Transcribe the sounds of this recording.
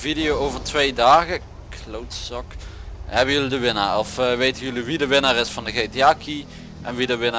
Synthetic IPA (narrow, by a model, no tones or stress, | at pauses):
vidɪjowowvəɹtʋejdaːɣə | klowtsɑkhɛbənjɵlidəʋɪna̰ːrɔfʋejtənjɵliʋidəʋɪnaːrɪsfɑndəɣejtiaːki | ʔɛnʋidəʋɪna